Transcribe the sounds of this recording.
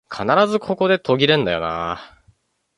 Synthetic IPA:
kʰanaɾazɨkʰo̞ko̞d̪e̞t̪ʰo̞ɡʲiɾɯ̟̃nd̪ajo̞̰na̰

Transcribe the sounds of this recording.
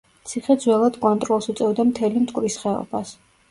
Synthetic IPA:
t̪sʰiχɛd̪zwɛlˠad̪kʼɔnt̪ʼɾɔlˠsut̪sʼɛvd̪amt̪ʰɛlimt̪ʰʼkʼɾisχɛɔ̰b̥as

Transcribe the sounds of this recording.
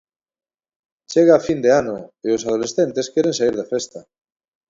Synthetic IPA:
t͡ʃeɣaːfind̪eanoeosað̞olesθent̪eskeɾeŋsaiɾðafest̪ɐ

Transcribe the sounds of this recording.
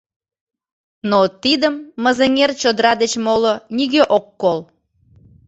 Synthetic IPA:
not̪id̪əmːəzəŋert͡ɕod̪əɾɑd̪et͡ɕmoloniɣeʔokːol

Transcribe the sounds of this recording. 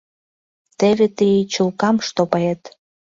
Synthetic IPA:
t̪eβet̪ijt͡ɕulkɑmʃt̪opɑjet̪

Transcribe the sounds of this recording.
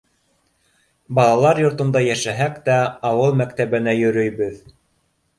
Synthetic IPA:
bɑlˠɑlˠɑɾjŏɾt̪ŏnd̪ɑjæʃæɦækt̪æɑwɤlˠmækt̪æβɘ̆næjɵ̆ɾɵ̆jβɵð

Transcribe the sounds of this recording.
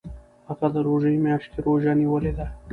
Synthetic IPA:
haɣad̪əɾoʒəimjɑʃk̪eɾoʒaniwəled̪a

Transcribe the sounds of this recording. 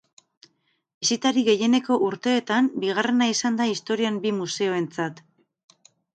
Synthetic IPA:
isit̪aɾiɣe̞je̞ne̞ko̞ʔuɾt̪e̞ːt̪ambiɣ̞are̞naisand̪aist̪o̞ɾiambimuse̞o̞e̞nt͡sat̪

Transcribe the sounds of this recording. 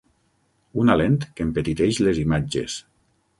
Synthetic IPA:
unalent̪kempet̪it̪eʃlezimad͡ʒḛs

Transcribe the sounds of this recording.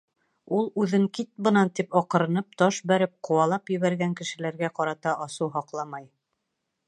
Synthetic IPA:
ulˠʉðɘŋkit̪̚bɤ̆nɑnt̪ipɑqɤ̆ɾɤ̆nɤp̚t̪ɒʃbæɾɘp̚qŏwɑlˠɑpjɘ̆βæɾɡæŋkɘ̆ʃɘ̆læɾɡæqɑɾɑt̪ɑʔɑsuwɦɑqlˠɑmɑj

